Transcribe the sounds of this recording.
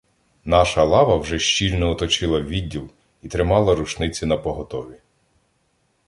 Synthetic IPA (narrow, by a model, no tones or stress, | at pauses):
nɑʃɐlˠɑʋɐwʒɛʃt͡ʃilʲnɔɔt̪ɔt͡ʃɪlˠɐʋʲidʲːilˠ | it̪ɾɪmɑlˠɐɾut͡ʃnɪt͡sʲinɐpɔɦɔt̪ɔʋʲi